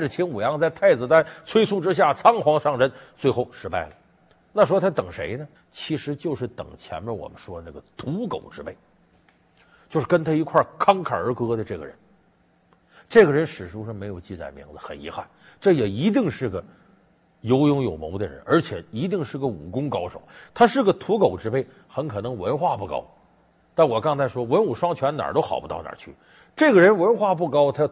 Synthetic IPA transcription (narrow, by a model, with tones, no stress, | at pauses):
ʈ͡ʂə˩t͡ɕʰi˧˥nu˨˩jɑ˥˧ŋt͡sa˥˧ɪt̪ʰa˥˩ɪd͡zɹ̩˨˩t̪a˥nt͡sʰwe˥ɪt͡sʰu˥˧ʈ͡ʂɻ̩˥ɕ̬ja˥˩t͡sʰɑ˥ŋxwɑ˧˥ŋʂɑ˥˩ŋʂə˥nt͡swe˥˧ɪxo˥˩ʊʂɻ̩˧˥pa˥˩ɪlə˩ | na˥˩ʂ̬wɔ˥t̪ʰa˥t̪ɤ˨˩ŋʂḛ˧˥ɪnə˧ | t͡ɕʰi˧˥ʂɻ̩˧˥t͡ɕjo˥˧ʊʂɻ̩˥˩t̪ɤ̰˨˩ŋt͡ɕʰjɛ̰˧˥nbɛ˥˩wɔ̰˨˩mə˦nʂwɔ˥d̪ə˧na˥˩ɡə˩t̪u˧˥ko̰˨˩ʊʈ͡ʂɻ̩˧˥pe˥˩ɪ | t͡ɕjo˥˧ʊʂɻ̩˥˩kə˥nt̪ʰa˥i˧˥kʰwa˥˩kʰɑ˥ŋkʰa̰˨˩ə˞˧˥kɤ˥d̪ə˧ʈ͡ʂɤ˥˩ɡə̰˩ɻə̰˧˥n | ʈ͡ʂɤ˥˩ɡə˩ɻə˧˥nʂɻ̩˨˩ʂu˧˥ʂɻ̩˥˩me˧˥ɪjo˨˩ʊt͡ɕi˥˩t͡sa̰˨˩ɪmḭ˧˥ŋdə˧xə̰˨˩nḭ˧˥xa˥˩n | ʈ͡ʂɤ˥˩jɛ˨˩i˧˥t̪i˥˧ŋʂɻ̩˥˩ɡə˩ | jo˧˥ʊjʊ˧˥ŋjo˨˩ʊmo˧˥ʊd̪ə˧ɻə̰˧˥nə˞˧˥t͡ɕʰjɛ˨˩i˧˥t̪i˥˧ŋʂɻ̩˥˩ɡə˩u˨˩kʊ˥ŋkɑ˥ʊʂo̰˨˩˦ʊt̪ʰa˥ʂɻ̩˥˩ɡə˩t̪ʰu˧˥ko˨˩ʊʈ͡ʂɻ̩˧˥pe˥˩ɪ | xə˧˥nkʰɤ˨˩nɤ˧˥ŋwə˧˥nxwa˥˧pu˥˩kɑ̰˥ʊ | t̪a˥˩nwɔ˨˩kɑ˥ŋt͡sʰa˧˥ɪʂwɔ˥wə˧˥nu˨˩ʂwɑ˥ŋt͡ɕʰɥɛ˧˥nna̰˨˩t̪o˥ʊxɑ̰˨˩ʊpu˥t̪ɑ˥˩ʊna̰˨˩t͡ɕʰy˥˩ | ʈ͡ʂɤ˥˩ɡə˩ɻə˧˥nwə˧˥nxwa˥˧p̬u˥˩kɑ˥ʊt̪ʰa˥